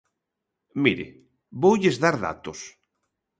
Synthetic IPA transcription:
miɾḛ | bowʎezðaɾða̰t̪os

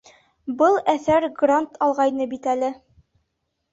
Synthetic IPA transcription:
bɤlˠæθæɾɡrant̪ʰɑlˠʁɑjnɤbit̪ælɘ

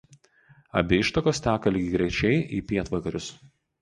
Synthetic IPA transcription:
ɐ̰bʲɪɪʃt̪ɐkoːsʲt̪ʲæːkɐlʲɪɡʲɪɡɾʲɛɪt͡ʃʲɛɪʔḭːpʲiɛt̪ʋɐkɐɾʲʊs

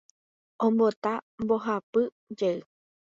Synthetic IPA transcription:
õmbo̞t̪ambo̞ɦapɨ | d͡ʒeɨ

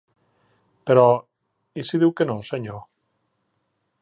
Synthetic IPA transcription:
peɾɔ | isiðiwkenoseɲo

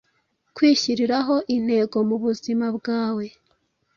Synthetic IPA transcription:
kwiːçiɾiɾaɦo̞ʔin̥he̞ɡo̞muβuzimabɡaːwe̞

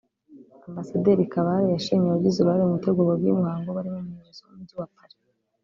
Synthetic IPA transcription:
ambasadeɾikaβaɾejaʃiɲeaɟizuɾohaɾiumuteɡuɾoɡwimwaːŋɡoβaɾimeɲeʃezaumuuːβakaɾe

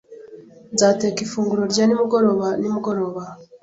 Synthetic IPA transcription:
zaːte̞ːkifuːŋɡuɾo̞ɾɟanimuɡo̞ɾo̞βanimuɡo̞ɾo̞ːβa

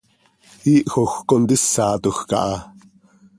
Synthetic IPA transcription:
iːʔxoxkond̪isːaːt̪uxkɑ̰ʔɑ

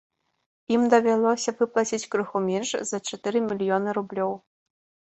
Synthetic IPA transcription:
imd̪ɐvʲalˠɔsʲɐvɨplˠat͡sʲit͡sʲkɾɨxumʲɛnʂz̥ɐt͡ʂɛt̪ɨɾɨmʲilʲjɔnɨɾublʲɔw

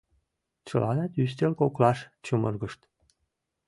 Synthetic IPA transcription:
t͡ɕə̰lʔɑnɑt̪ys̬t̪elkoklɑʃt͡ɕumərɣəʃt̪

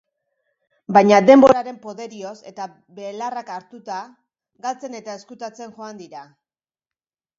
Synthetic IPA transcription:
bajɲad̪e̞mbo̞ɾaɾe̞mpo̞ðe̞ɾio̞se̞̰t̪a | be̞ːlarakaɾt̪ut̪a | ɣalt͡se̞ne̞t̪ae̞skut̪at͡se̞nʝo̞and̪iɾa

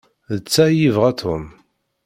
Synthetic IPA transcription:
ðət͡sːæjivʁæt̪ʰʊm

